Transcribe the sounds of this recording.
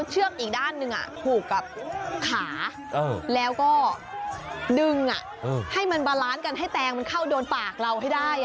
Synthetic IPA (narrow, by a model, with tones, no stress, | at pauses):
t͡ɕʰɯ˥˩ək̚ʔiː˨˩k̚daː˥˩nːɯ˧ŋʔa̰˨˩t̪ʰuː˨˩kːa˨˩p̚kʰaː˩˦ | ʔaː˧lɛː˦˥wkɔː˥˩ | dɯ˧ŋʔa̰˨˩ʔʔɤː˧˩ha˥˩jma˧nbaː˧laː˦˥nka˧nɦa˥˩jt̪ɛː˧ŋma˧nkʰa˥˩wdoː˧npaː˨˩k̚ɾa˧wɦa˥˩jdaː˥˩j